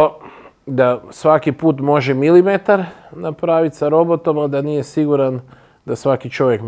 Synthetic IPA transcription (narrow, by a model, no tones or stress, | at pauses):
d̪asʋakipuːt̪mo̞ʒemilimet̪aɾnapɾaːʋit̪saɾo̞bo̞t̪omad̪anije̞siɡuɾan | d̪asʋakit͡ʃo̞ʋjek